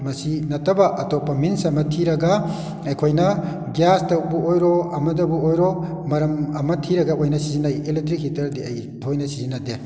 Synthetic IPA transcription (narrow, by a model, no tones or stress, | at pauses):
mɐsinɐtʰɐbɐʔɐtɔpːɐminsɐmɐtʰiɾɐɡɐ | ɐjkʰojnɐ | ɡjastɐwbuojɾɔɐmɐdɐbuojɾɔ | mɐɾɐmɐmɐtʰiɾɐɡɐojnɐsizinajeletɾikhitʰɐɾdiɐ̰j | tʰojnɐsizinːɐde